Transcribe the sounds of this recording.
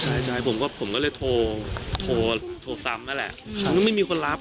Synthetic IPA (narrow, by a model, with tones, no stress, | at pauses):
t͡ɕʰa˥˩jt͡ɕʰaː˥˩jpʰo˨˩˦mkɔː˥˩pʰo˨˩˦mkɔ˥˩lɤː˧jt̪ʰoː˧t̪ʰoː˧t̪ʰoː˧sa˧˥mna˦˥lɛ̰˨˩ʔkʰa˧nkɔː˥˩ma˥˩jmiː˧kʰo˧nɾa˦˥p̚